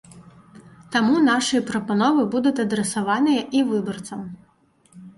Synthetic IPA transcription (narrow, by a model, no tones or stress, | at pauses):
t̪amunaʂɨjɐpɾɔpɐnɔvɨbud̪ʊt̪ʲɐd̪ɾɛsɐʋɑnɨjɐʔiʋɨbɔrt̪sɐm